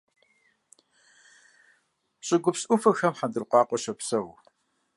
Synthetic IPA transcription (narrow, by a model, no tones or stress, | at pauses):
ɕʼɪɡʷʊpsʔʊfɐxɐmħadɨrqʷɑːqʷʼɔɕɐpsɐw